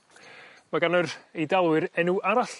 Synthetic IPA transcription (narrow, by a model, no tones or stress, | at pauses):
maɡanɔredalˠwɨɾɛnuʔaɾaɬ